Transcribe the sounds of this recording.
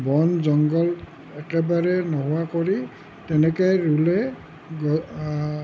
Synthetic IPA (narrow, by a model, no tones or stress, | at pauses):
bɔnzɔŋɡɔl | ɛkɛbaɹɛnɔɦʊwakoɹi | tɛnɛkɔjɹulɛ | ɡɔ